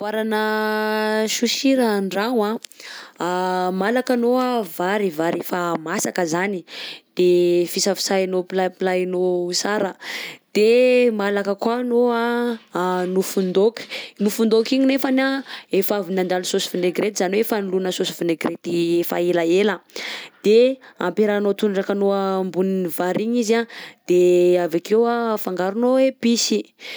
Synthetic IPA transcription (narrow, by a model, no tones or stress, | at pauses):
aɾanə | ʃuʃiɾaɳɖ͡ʐaŋa | malakanoavaɾivaɾefamasakəzanid̪̥efisafi̥sajinopilapilanousaɾəd̪̥emalakəkwanoa | nufund̪oki̥nufund̪okiɲinefanaefavinand̪alusosi̥vineɡɾet̪izaniwefanilunəsosivineɡret̪iefa̰elaeləd̪̥ea̰mpeɾanot̪unɖ͡ʐakanoambuninivaɾiɲizad̪̥eavakewafaŋɡaɾunoepisi